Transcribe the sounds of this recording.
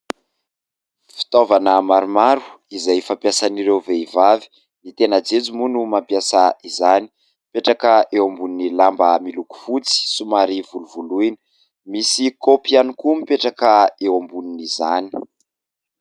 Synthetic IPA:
fi̥t̪ovanəmaɾumaɾuizajfampjasaniɾewveivavi̥ | nit̪enad͡zet͡sumunumampjasaizani̥ | peʈ͡ʂakəewambuninilambəmiluku̥fut͡si̥sumaɾivuluvuluini | misikopianikumipeʈ͡ʂakəewambuninizani̥

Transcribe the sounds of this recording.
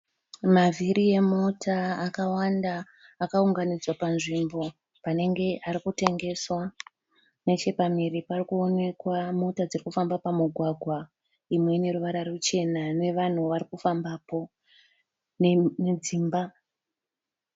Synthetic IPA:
mavʱiɾije̞motʰaːkawandaː | kauŋɡanid͡zwapanʐimbo̞ | pane̞ŋɡe̞ʔaɾikute̞ŋɡe̞swa | ne̞t͡ʃe̞pamiɾiparikuo̞ne̞kwamotad͡zirikufambapamuɡʱwaɡʱwa | imwe̞ne̞ɾuʋaɾarut͡ʃe̞nane̞ʋan̤uʋarikufambaːpo̞ | nemid͡ziːmba

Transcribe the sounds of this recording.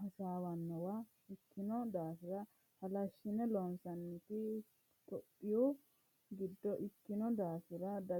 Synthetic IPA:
ɐsaːwɐnːɔwa | ɪkːɪnɔd̪aːsɪɾɐ | hɐlɐʃːɪnɛlɔnsɐnːɪt̪ɪ | t̪ʼɔpʼːɪjɔ | ɡɪd̪ːɔʔɪkːɪnɔd̪aːsɪɾɐd̪ɐ

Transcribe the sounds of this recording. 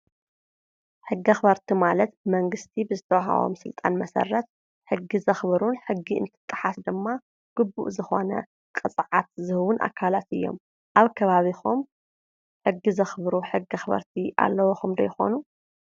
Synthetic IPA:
ħɨɡːɐxɨβɐɾt̪ʰimalɐt̪̚bɨmɐŋɡɨst̪ʰibɨzɨt̪ʰɐwaɦa̰βo̰msɨlt̪ʼa̰nmɐsɐ̰rːɐt̪̚ | ħɨɡːizɐxβɾunħɨɡːiɨ̰nt̪ʰɨ̥t̪ʼːɨħasd̪ɨmːa | ɡ̥ɨbːṵʔzɨxo̞nɐ̰ | kʼɨt͡sʼʕat̪̚zɨhɨwʊnʔa̰kʰːalat̪ɨjːo̞̰m | ʔaβkʰɐβaβixum | ħɨɡːizɐxβɾuħɨɡɐxɨβɐ̰ɾt̪ʰiʔa̰lːɐwoxumd̪ɐjxo̰nu

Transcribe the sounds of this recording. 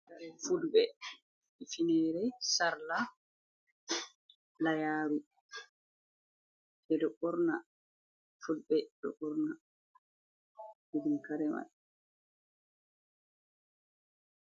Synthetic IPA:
kaɾɛfulbɛ | ifinɛɾɛsaɾla | lajaːɾu | ɛdɔɓɔɾna | fudɓɛɗɔ̰ɓɔɾna | idumkaɾɛma̰ɗ

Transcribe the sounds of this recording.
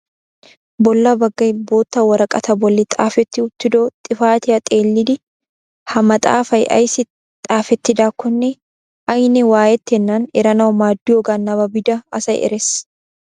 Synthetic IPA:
bɔlːɐbɐɡːɐjbo̞ːt̪ːɐwɐɾɐkʼɐt̪ɐbɔlːɪt̪ʼaːfɛt̪ːɪʊt̪ːɪd̪oːt̪ʼɪfaːt̪ɪjɐt̪ʼe̞ːlːɪd̪ɪ | hɐmɐt̪ʼa̰ːfɐjʔɐ̰jsɪ | t̪ʼaːfɛt̪ːɪd̪aːkːɔnːɛ | ʔɐjnɛwaːjɛt̪ːɪɛnːanɛɾɐnɐwɔmaːd̪ːɪjɔɡanːɐbɐbɪd̪ɐɐsɐjɛ̰ɾɛs

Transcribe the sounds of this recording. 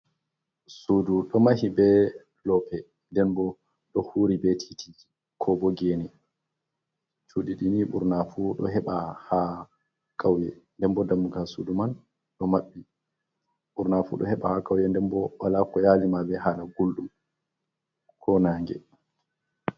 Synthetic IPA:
suduɗɔmahibɛ | lɔpɛ | ndɛnbɔ | ɗɔhuɾibetʰi̥tʰi | kʰɔbɔɡeːni | t͡ʃʰuɗiɗiniɓṵɾnafuɗɔ̰ɦɛɓaha | kʰawjɛndɛnbɔdamːuɡasṵduman | ɗɔmaɓːi | ɓuɾnafṵɗɔ̰hɛɓahakawjɛndɛnbɔwalakɔjaːlimabɛɦalaɡulɗum | kʰɔnaːŋɡɛ̰

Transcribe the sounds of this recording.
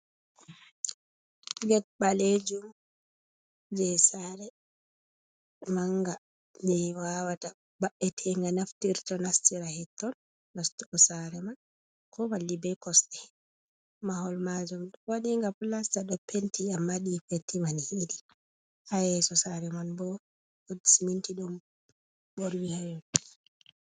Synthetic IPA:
ɡɛt̚baled͡ʒum | d͡ʒɛsaɾɛ | maŋɡa | d͡ʒɛwawata | baɓːɛtʰɛŋɡanaftiɾtɔnastiɾahɛtːɔnː | astuʔɔsaɾɛman | kʰɔmalːibɛkɔstɛ | maɦɔlmad͡ʒumɗwaɗiŋɡaplastaɗɔpentiamːaɗifetːimanhidi | hajɛsɔsaɾɛmanbɔ | odisimintiɗum | boɾwihajɔ

